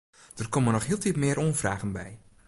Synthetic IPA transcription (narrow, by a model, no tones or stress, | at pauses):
d̥ərkomənɔχɦiːlˠtitmɪəɾʔoənvraːɣənbɛ̰j